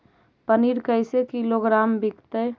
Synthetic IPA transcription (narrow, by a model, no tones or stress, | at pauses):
pəniɾkəɪsekiloɡɾaːmbikt̪əj